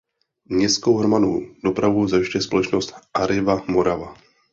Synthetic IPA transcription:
ɲɛskowɦɾmanud̥o̞pɾavuzajʃcɛspolɛt͡ʃnost̪ʔaɾɪvamo̞ɾava

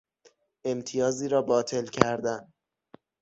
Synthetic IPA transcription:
e̞mt̪ʰijɒːziːɾɒːbɒːt̪ʰe̞lcʰæɾd̪æn

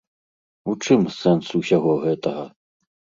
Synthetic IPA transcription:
ut͡ʂɨmsɛnsusʲaɣɔɣɛt̪ɐɣɐ

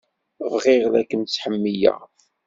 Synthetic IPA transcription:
vʁɪʁlækːənt͡sːħəmːijæ̰

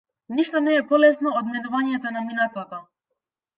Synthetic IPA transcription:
niʃt̪ɔnɛːpɔlɛsnɔɔd̪mɛnuvaɲɛt̪ɔnaminat̪at̪a

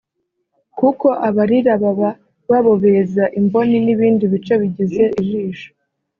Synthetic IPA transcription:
kuko̞ʔaβaɾiɾaβaβa | βaβo̞βezaʔimbo̞niniβiːndiβit͡ʃe̞βiɟize̞ʔiʒiːʃo̥

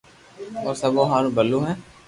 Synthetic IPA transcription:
ɔːɾsɐboːɦaːɾubəlːũːɦɛ̃ː

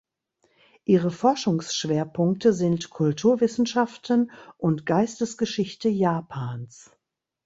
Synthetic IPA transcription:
ʔiːʁəfɔɐʃʊŋsʃv̥eːɐpʰʊŋk̚təzɪntkʰʊltʰuːɐvɪsn̩ʃaftn̩ʔʊntɡ̥aɪstəsɡ̥əʃɪçtəjaːpʰaːns

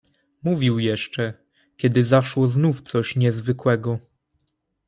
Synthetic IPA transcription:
muvʲiwjɛʂt͡ʂɛ | kʲɛd̪ɘzaʂwɔznuft̪sɔɕɲɛzvɘkwɛɡɔ

